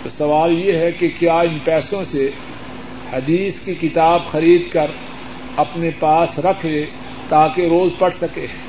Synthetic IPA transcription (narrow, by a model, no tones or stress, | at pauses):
t̪oːsɐʋaːljeɦɛkekjaːɪnpɛːsõse | hɐd̪iːskikɪt̪aːbxɐɾiːd̪̚kɐɾ | ɐpnepaːsɾɐkʰe | t̪aːkeɾoːzpɐɽ̤sɐkeː